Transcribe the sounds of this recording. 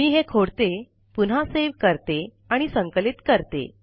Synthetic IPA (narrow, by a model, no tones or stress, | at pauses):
miːɦekʰoɽt̪e | pun̤aseʋkəɾt̪e | aɽ̃isəŋkəlit̪kəɾt̪ḛ